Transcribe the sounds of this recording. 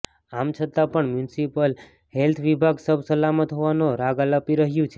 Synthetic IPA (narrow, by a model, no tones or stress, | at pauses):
amt͡ʃʰət̪apəɳmjunsipəl | hɛlt̪ʰʋibʱaɡsəbsəlamət̪ɦoʋanoɾaɡaləpiɾəɦjũt͡ʃʰe